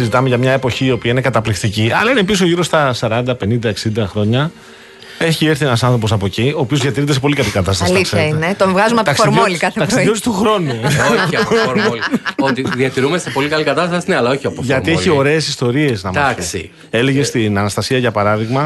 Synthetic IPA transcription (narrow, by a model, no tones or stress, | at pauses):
sizit̪ɐmeʝɐmɲɐe̞po̞çiːo̞piɐine̞kɐt̪ɐplift̪iciɐlɐinepis̬oʝiɾo̞st̪ɐsɐɾɐnd̪ɐpe̞nind̪ɐe̞ksind̪ɐxɾo̞ɲɐ | e̞çie̞ɾθienɐsɐ̃nθɾo̞po̞sɐpo̞cio̞ːpio̞zðiɐt̪iɾint̪esepolikɐlikɐt̪ɐst̪ɐliseɐinet̪ovɣɐzumɐt̪ɐksomolikɐθet̪ɐsijost̪uxɾo̞nuuxɾonulot̪iðiɐt̪iɾumesepo̞likɐlikɐt̪ɐst̪ɐsinɐlɐoçiɐpofʝɐt̪ieio̞ɾe̞ːsist̪o̞ɾie̞znɐmaksḭ | e̞leʝest̪inɐnɐst̪ɐsiɐʝɐpɐɾɐðiɣmɐ